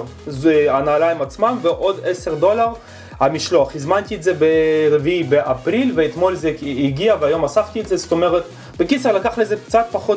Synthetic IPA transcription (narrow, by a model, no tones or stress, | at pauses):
zanaːlaimat͡smamveʔo̞d̪eseʁd̪o̞laʁ | hamiʃloaχizmant̪ietzebeʁeviibeʔapʁilveet̪mo̞lzeiɡiaveajo̞masaft̪ietzeso̥t̪omeʁet̪ | bekit͡seʁlakaχlezekt͡sat̪̚paχot